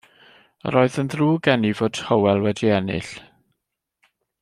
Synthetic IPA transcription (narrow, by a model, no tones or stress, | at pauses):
ə̰ɾoːɨðənðruːɡɛnivoːd̥həwɛlˠwɛdiɛnɪ̰ɬ